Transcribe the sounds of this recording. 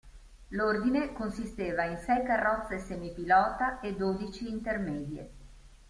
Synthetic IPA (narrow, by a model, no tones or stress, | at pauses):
lord̪inekonsist̪eːvainsɛjkarːɔt̪sːesemipilɔːt̪aʔed̪oːd̪it͡ʃiːnt̪ermɛːd̪jḛ